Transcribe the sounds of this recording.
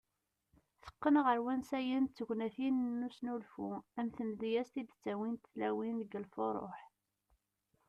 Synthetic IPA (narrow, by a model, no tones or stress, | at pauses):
θə̥qːənəʁəɾwænsæjənt͡sːəɡʷnæθinnːusnulfuæmθəmðjæst̪id̪t͡sːæwint̪θlæwinðəɡəlfoɾˤo̰ħ